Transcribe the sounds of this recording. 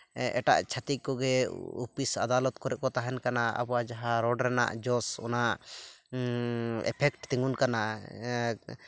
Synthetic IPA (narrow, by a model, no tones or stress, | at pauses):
ɛ̰ʈa̰ʔt͡ʃʰat̪iʔkɔɡɛupisad̪alɔt̪kɔɾɛʔkɔt̪aɦɛnkanaa̰bɔwad͡ʒaɦaɾɔɖɾɛna̰ʔd͡ʒɔsɔ̰naʔ | ɛ̰pʰɛkʈt̪ɛŋɡunkana